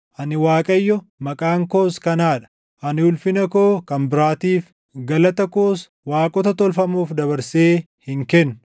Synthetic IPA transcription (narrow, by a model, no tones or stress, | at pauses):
ʔɐnɪwaːkʼɐjːɔ | mɐkʼaːŋko̞ːskɐnaːᶑɐ̥ | ʔɐnɪʊlfɪnɐko̞ːkɐmbɪɾaːt̪iːf | ɡɐlɐt̪ɐkoːs | waːkʼɔt̪ɐt̪ɔlfɐmuːfd̪ɐβɐɾseː | hɪŋkɛnːʊ